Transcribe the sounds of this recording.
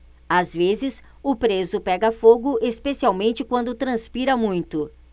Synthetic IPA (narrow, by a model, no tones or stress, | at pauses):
azvezɪs | ʊpɾezʊpɛɡɐfoɡʊʔespesiawmẽnt͡ʃɪkwɐ̃nd̪ʊt̪ɾɐ̃spiɾɐmũj̃t̪ʊ